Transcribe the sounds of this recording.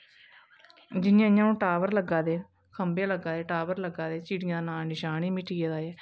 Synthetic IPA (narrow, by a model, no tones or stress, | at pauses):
d͡ʒɪnjãːɲãːnũːʈaːʋəɾləɡaːd̪eː | kʰəmbjãːləɡaːd̪eːʈaːʋəɾləɡaːd̪eːt͡ʃiːɽɪjãːnaːnɪʃaːñiːmɪʈʰiːeːd̪aːjeː